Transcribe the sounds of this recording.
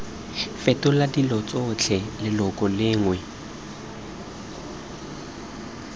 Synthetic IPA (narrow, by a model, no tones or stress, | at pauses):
fɛtʼʊladilɔt͡sʼʊt͡ɬʰɛlɪlɔkʼɔlɪːŋwɛ